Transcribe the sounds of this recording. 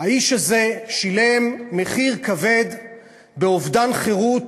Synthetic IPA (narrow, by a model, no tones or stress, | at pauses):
haiʃhaze̞ʃilemːe̞χiʁkave̞d̪ | beovd̪anχeʁut